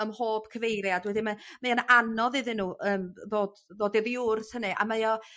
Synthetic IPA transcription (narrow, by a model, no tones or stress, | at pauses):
əmhoːb̥kʰəvejɾjadwɛdimamajanʔanɔðɨðɨnːuːʔəːmðoːdðoːdɛðiʊrθhənɨʔa̰majɔ